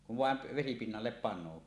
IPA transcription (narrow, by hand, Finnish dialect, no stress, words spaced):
kuʋ ʋɑˑem p ʋesipinːɑlːep pɑnˑoː